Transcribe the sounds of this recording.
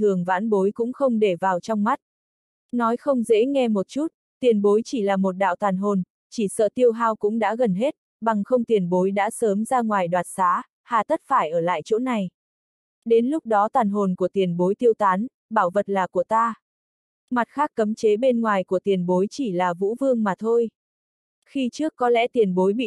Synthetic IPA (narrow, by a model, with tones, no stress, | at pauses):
t̪ʰɨ˨˩əŋva̰ː˧˥nɓo˨˦jkʊ̰˧˥ŋ͡mxə˧wŋ͡mɗe˧˩vaː˨˩wt͡ɕɔ˧wŋ͡mma˦˥t̚ | nɔ˨˦jxə˧wŋ͡mzḛ˧˥ŋɛ˧mo˨˩t̚t͡ɕu˦˥t̚ | t̪i˨˩ənɓo˨˦jt͡ɕi˧˩laː˨˩mo˨˩t̚ɗa̰ː˧˨wt̪waː˨˩nɦo˨˩n | t͡ɕi˧˩sə̰ː˧˨t̪i˧əwɦaː˧wkʊ̰˧˥ŋ͡mɗa̰ː˧˥ɣə˨˩nɦe˦˥t̚ | ɓa˨˩ŋxə˧wŋ͡mt̪i˨˩ənɓo˨˦jɗa̰ː˧˥səː˨˦mzaː˧ŋwaː˨˩jɗwaː˨˩t̚saː˨˦ | haː˨˩t̪ʰə˦˥t̚faː˧˩jʔəː˧˩la̰ː˧˨jt͡ɕo̰˧˥na˨˩j | ɗe˨˦nlʊ˦˥k͡p̚ɗɔ˨˦t̪waː˨˩nɦo˨˩nku˧˩ət̪i˨˩ənɓo˨˦jt̪i˧əwt̪aː˨˦n | ɓaː˧˩wvə˨˩t̚laː˨˩ku˧˩ət̪aː˧ | ma˨˩t̚xaː˦˥kːə˨˦mt͡ɕe˨˦ɓe˧nŋwaː˨˩jku˧˩ət̪i˨˩ənɓo˨˦jt͡ɕi˧˩laː˨˩vṵ˧˥vɨ˧əŋmaː˨˩t̪ʰo˧j | xi˧t͡ɕɨ˦˥əkːɔ˨˦lɛ̰˧˥t̪i˨˩ənɓo˨˦jɓḭ˧˨